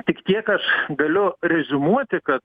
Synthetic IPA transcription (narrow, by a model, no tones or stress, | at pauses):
t̪ʲɪkt̪ʲiɛkɐʃɡɐlʲʊɾʲɛzʲʊmuɔt̪ʲɪkɐt̪